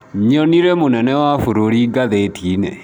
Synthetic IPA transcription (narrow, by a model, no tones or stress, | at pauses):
ɲɔniɾemonɛnɛwafuɾoɾiɡaðetine